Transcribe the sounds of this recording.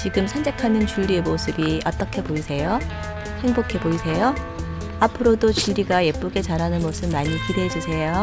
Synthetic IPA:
t͡ɕiɡɯmsʰand͡ʑe̞kʰanɯnt͡ɕuʎːiemosʰɯbiʔʌt͈ʌkʰe̞boisʰe̞jo | he̞ŋbokʰe̞boisʰe̞jo | apʰɯɾodot͡ɕiʎːiɡaje̞p͈uɡe̞t͡ɕaɾɦanɯnmosʰɯbmaɲikidwe̞d͡ʑusʰe̞jo

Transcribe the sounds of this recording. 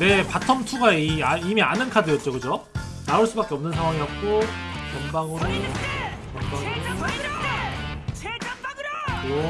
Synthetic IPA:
ne̞patʰʌmtʰuɡaiaimianɯnkʰadɯjʌt̚t͡ɕ͈okɯd͡ʑo | naɯɭs͈ubak͈eʌmnɯnsʰaŋwaŋiɦak̚k͈ot͡ɕʌmbaŋɯɾo | kʌmbaŋɯɾoɾo | kɯjo

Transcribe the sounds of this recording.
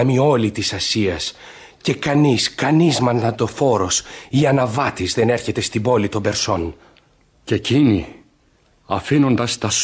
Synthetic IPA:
ɐmio̞lit̪isɐsiɐs | ce̞kɐniskɐnizmɐnnɐt̪o̞fo̞ɾo̞siɐnɐvɐt̪izðe̞ne̞ɾçe̞t̪e̞st̪ibo̞lit̪o̞be̞ɾso̞n | ce̞cini | ɐfino̞nd̪ɐst̪ɐs

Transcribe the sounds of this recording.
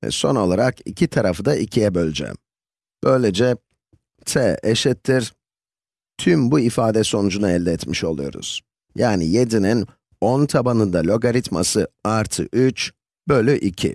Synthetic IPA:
ɛ̰so̞̰no̞lˠaɾakḭcʰit̪ʰaɾafɯd̪aʔicʰijɛbølʲd͡ʒɛ̰ | b̥øjlʲed͡ʒɛ | t̪ʰɛeʃɛt̪ʰːiɾ̥ | t̪ʰymbuifaːd̪ɛso̞nud͡ʒunaɛlʲd̪ɛɛt̪miʃo̞lˠujo̞̰ɾṵz̥ | jaːnḭje̞d̪inin | ont̪ʰabanɯnd̪alʲo̞ɡaɾit̪ma̰sɯaɾt̪ʰɯ̰ʔyt͡ʃ | bølʲyʔicʰḭ

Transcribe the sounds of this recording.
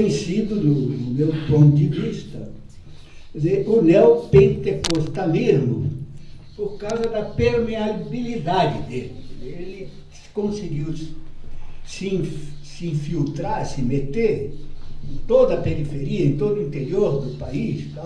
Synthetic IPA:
ẽsid̪ʊd̪ʊd̪ʊmewpõnt̪ʊd͡ʒɪvist̪ɐ | kezeɾʊnɛwpẽnt̪ekost̪ɐmezmʊ | poɾkawzɐd̪ɐpeɾmeabilid̪ad͡ʒɪd̪elɪezeelɪ | skõsiɡiw | sĩsiĩfilt̪ɾaɾsɪmet̪eɾẽnt̪od̪ɐpeɾifeɾiɐẽt̪od̪ʊĩnt̪eɾioɾd̪ʊpaist̪a

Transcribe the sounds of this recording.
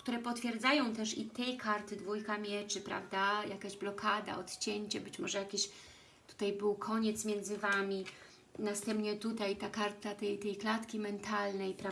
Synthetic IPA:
kt̪uɾɛpɔt̪fʲjɛɾd̪zajɔ̃w̃t̪ɛʂit̪ɛjkaɾt̪ɘd̪vujkamʲjɛt͡ʂɘpɾa̰vd̪ajʔakaʑblɔkʰad̪a̰ɔt̪t͡ɕɛɲt͡ɕɛbɘt͡ɕmɔʐɛjakʲiɕ | t̪u̥t̪ajbɘwkʰɔɲɛt̪smʲjɛnd̪zɘvamʲi | nast̪ɛmpɲɛt̪ut̪ajt̪akaɾt̪at̪ɛjt̪ɛjklat̪kʲimɛnt̪alnɛjpɾa

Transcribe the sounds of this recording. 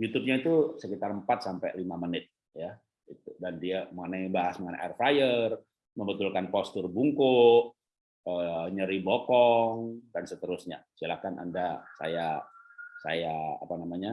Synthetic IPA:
jut̪ʊp̚ɲait̪usəkit̪arəmpat̪̚sampalimamənɪt̪̚ | ja | it̪udandiaməŋənaibaɦasməŋəna̰ʔɛrfajər | məmbət̪ʊlkanpɔst̪ərbuŋkʊʔ | əɲəɾibokɔŋdansət̪əɾʊsɲa̰silakanʔa̰ndasa̰ja | sa̰ja̰ːpanamaɲa

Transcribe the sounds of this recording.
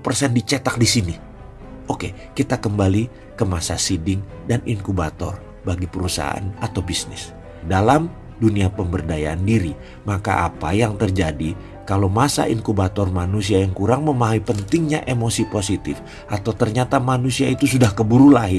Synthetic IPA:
pərsɛndit͡ʃɛt̪ak̚disini | ʔoke | kit̪akəmbali | kəmasasidɪŋ | daniŋkubat̪ɔ̰r | baɡipəɾusa̰a̰a̰nat̪awbisnɪ̰s | dalam | duniapəmbərdajaʔandiɾi | maka̰ʔa̰pajaŋt̪ərd͡ʒadi | kalowmasa̰ʔiŋkubat̪ɔrmanus̬iajaŋkuɾaŋməmaɦaipənt̪ɪŋɲaʔemosiposit̪ɪf | ʔat̪awt̪ərɲat̪amanusiait̪usudahkəbuɾulaɦɪr

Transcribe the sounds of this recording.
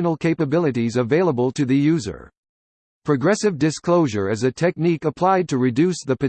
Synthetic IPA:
nl̩ˠkʰeɪpɨbɪlˠɨɾizɨveɪlˠəbəl̩ˠtʰɨðɨjʉzə̰˞ | pʰɹ̥ɨɡɹɛsɨvdɨskʰl̥oʊʒə̰˞ɨzɨtʰɛk̚nikəpʰl̥aɪd̚tʰɨɹɨdʉsðɨpɨ

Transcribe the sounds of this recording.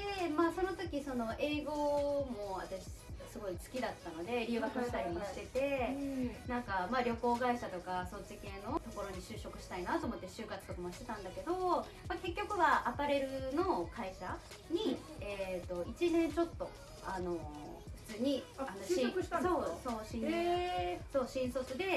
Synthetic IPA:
d̪e̞maso̞no̞t̪o̞kʲiso̞no̞ʔe̞ːɡo̞mo̞βa̰t̪aɕi̥sɨɡo̞isɨ̥kʲid̪at̪ːano̞d̪e̞ɾʲɯ̟ːɡakɯɕi̥t̪aɾʲimo̞ɕi̥t̪e̞t̪e̞ | nãŋkamaɾʲo̞ko̞ːɡaiɕat̪o̞kasot͡ɕike̞ːno̞t̪o̞ko̞ɾo̞ɲ̟iɕɨːɕo̞kɯ̟ɕi̥t̪ainat̪o̞ːmo̞t̪ːe̞ɕɨːkat͡sɨ̥t̪o̞kamoɕi̥t̪e̞t̪ãnd̪ake̞d̪o̞ | make̞k̬ʲːo̞kɯ̟βaʔakaɾe̞ɾɯ̟no̞kaiɕa | ɲ̟i | et̪ːo̞it͡ɕinẽ̞nt͡ɕo̞t̪ːo̞ | ano̞ɸɯ̥t͡sɨːɲ̟ianõĩsoso̞ːɕĩ | so̞ːɕĩɰ̃so̞kɨd̪e̞

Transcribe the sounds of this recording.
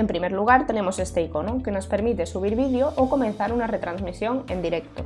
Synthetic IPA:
empɾimeɾluɣ̞aɾt̪e̞nemosest̪eikonokenospe̞ɾmit̪esuβ̞iɾβið̞joʔoko̞mẽn̟θaɾunaret̪ɾanzmisjoŋẽnd̪iɾek̚t̪o

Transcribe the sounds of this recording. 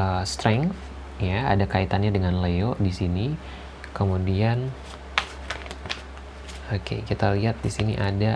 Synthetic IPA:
əst̪ɾɛŋf | jaa̰dakait̪anɲadəŋanlejodisini | kəmudian | okḛkit̪aliɦat̪̚disinḭʔada

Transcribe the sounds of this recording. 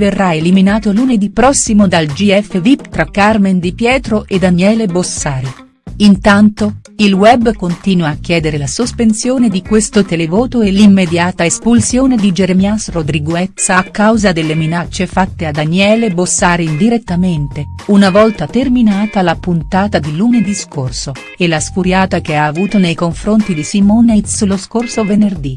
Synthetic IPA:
verːaeliminaːt̪oluned̪ipːɾɔsːimod̪ald͡ʒiɛfːevipt̪ɾakːarmend̪ipjɛːt̪ɾoʔed̪anjɛːlebosːaːɾi | int̪ant̪o | ilwɛbːkont̪iːnwaːk̟ːjɛːd̪eɾelasospensjoːned̪ikwest̪ot̪elevoːt̪oelimːed̪jaːt̪aespulsjoːned̪id͡ʒeɾemiasrod̪ɾiɡoɛt̪saːkːawzad̪elːeminat͡ʃːefat̪ːead̪anjɛːlebosːaːɾeind̪iɾet̪ːament̪eunavɔlt̪at̪erminaːt̪alapunt̪aːt̪ad̪iluned̪iskorso | elasfuɾjaːt̪ak̟eaːvuːt̪onejkoɱfɾont̪id̪isimoːnet̪sloskorsovenerd̪i

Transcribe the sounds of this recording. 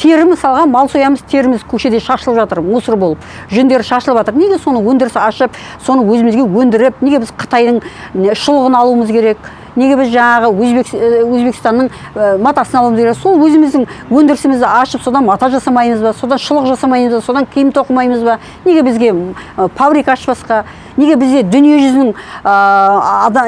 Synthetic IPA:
t̪ʰe̞ɾɪmɪsɑlˠʁɑnmɑlˠsojɑməzt̪ʰe̞ɾɪmɪzkʲʰɵʃe̞d̪e̞ʃɑʃəlˠəpʒɑt̪əɾmusəɾbo̞lˠəp | ʒɵnd̪e̞ɾɪʃɑʃəlˠəpʒɑt̪əɾne̞ɡʲe̞so̞nəwɵnd̪ɪɾɪsɑʃəp̚ | so̞nəwɵzɪmɪzɡʲe̞wɵnd̪ɪɾɪp̚neɡʲe̞bɪz̥qʰə̥t̪ɑjd̪əɴ | ʃəlˠəʁənɑlˠuəməzkʲʰe̞ɾe̞k̚ | neɡʲe̞bɪzʒɑɴɑʁəwɵzbekwɵzbe̞kʲɪst̪ɑnːəɴ | mɑt̪ɑsənɑlˠumzkʲeɾekso̞lˠwɵzɪmɪzd̪ɪŋwɵnd̪ɪɾɪsɪmɪzd̪ɪɑʃəpso̞d̪ɑnmɑt̪ɑʒɑsɑmɑjməzbɑso̞d̪ɑnʃəlˠəqʒɑsɑmɑjməzbɑso̞d̪ɑŋkʲʰejɪmt̪ʰo̞qəmɑjməzbɑ | ne̞ɡʲe̞bɪzɡʲe̞fabɾikɑʃpɑsqɑ | neɡʲe̞bɪzɡʲe̞d̪ʏnije̞ʒʏzɪnɪŋ | d̪

